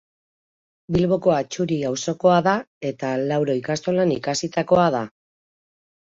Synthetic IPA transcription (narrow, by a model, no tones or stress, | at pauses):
bilβo̞ko̞at͡ʃuɾiawso̞ko̞aða | e̞t̪alawɾo̞ikast̪o̞lanikasit̪ako̞að̞a